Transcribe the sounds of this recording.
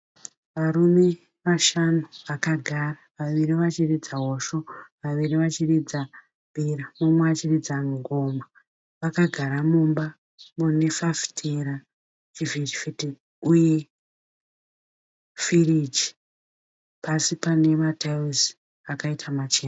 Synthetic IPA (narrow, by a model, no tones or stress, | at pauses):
ʋaɾume̞ | ʋaʃanuʋakaɡʱaraʋaʋiɾiʋat͡ʃirid͡zaɦoʃo̞ʋaʋiɾiʋat͡ʃirid͡za | mbʱiɾamumweat͡ʃirid͡zaŋɡoma | ʋakaɡʱaɾamumba | mune̞fafi̥tʰeɾa | t͡ʃivitifiti | uje̞ | fiɾid͡ʒi | pasipane̞matʰaizi | akaitʰamat͡ʃeːna